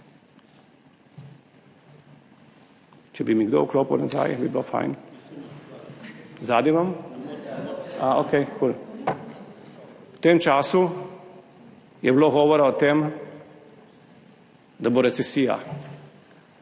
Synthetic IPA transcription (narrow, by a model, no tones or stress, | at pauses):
t͡ʃɛbimiɡd̪o̰ukloːpa̰wnaza̰jbiblofa̰jn | zaːd̪nimam | aokejkul | wt̪eːmt͡ʃaːsu | jɛbloɣɔːʋɔɾaɔt̪eːm | d̪aboɾɛt̪sɛsiːja̰